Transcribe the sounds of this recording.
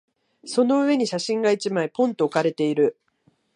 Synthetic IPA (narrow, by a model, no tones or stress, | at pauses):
so̞no̞ɯ̟βe̞ɲ̟iɕaɕĩŋɡait͡ɕimaipõ̞nt̪o̞ːkaɾe̞t̪e̞iɾɯ̟